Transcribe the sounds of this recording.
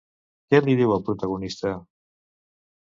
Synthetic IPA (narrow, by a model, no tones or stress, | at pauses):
kɛliðiwəlˠpɾut̪aɣunist̪ə